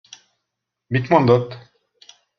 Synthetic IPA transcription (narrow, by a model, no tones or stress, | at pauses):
bit̪mand̪ɑt̪